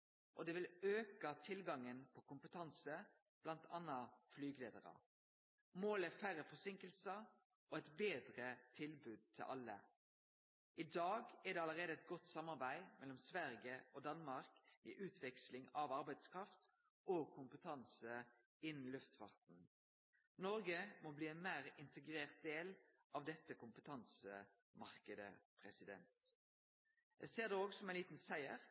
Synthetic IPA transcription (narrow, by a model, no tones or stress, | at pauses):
ʔɔd̪ɛːʋɪløːkɑt̪ʰɪlɡɑŋːənpʰɔkʊmpət̪ʰɑnsə | b̥lɑnt̪ʰɑnːɑflyːɡleːd̪əɾɑ̰ | moːlɛfæɾəfɔsɪŋkəlsə | ʔɔɛt̪beːd̪ʁət̪ʰɪlbʉːd̪̚t̪ʰɪ̰lʔɑ̰lːə̰ | ʔɪd̪ɑːɡɛd̪ɛːɑləʁeːd̪əɛt̪̚ɡɔt̪sɑmːɑʁbæɪmʔɛlːɔmsʋæʁɡəoːd̪ɑnmɑʁkɛ̰ʔʉːt̪ʰʋɛkslɪŋɑʋɑɾbæɪd̪skʰʁɑft̪ | okʰʊmpət̪ʰɑnsə | ɪnn̩lʉft̪fɑ̰ʁt̪n̩ | nɔɾɡəmɔbliːɛnmæːʁɪnt̪ʰəɡɾeːʁt̪̚d̪eːl | ʔɑʋd̪ɛt̪ːəkʊmpət̪ʰɑnsə | mɑʁkəd̪ə̰pʰʁɛsɪd̪ɛ̰nt̪ | jæ̰ɪseːʁd̪ɛoːɡsɔmæɪnliːt̪n̩sæɪəʁ